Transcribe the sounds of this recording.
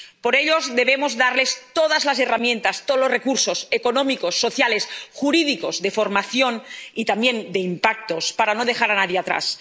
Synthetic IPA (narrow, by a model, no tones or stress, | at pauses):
poɾeʎozðe̞βemozðaɾle̞st̪oð̞azlase̞ramje̞nt̪ast̪olozrekuɾso̞sekonõmiko̞sːo̞θjalesxuɾiðiko̞zðe̞fo̞ɾmaθjo̞nit̪ambje̞nd̪eimpak̚t̪o̞spaɾanoð̞e̞xaɾanaðjeat̪ɾa̰s